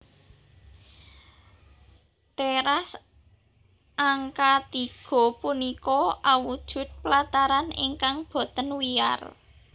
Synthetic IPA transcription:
t̪eɾas | ʔaŋkat̪iɡ̥ɔ̤punikɔʔawud̥ʒ̥ʊ̤t̪̚plat̪aɾanḭŋkaŋb̥ɔ̤t̪ənwia̰r

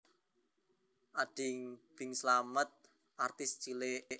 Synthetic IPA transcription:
ʔaɖ̥ɪŋb̥ɪŋslamət̪̚ | ʔart̪ɪst͡ʃile

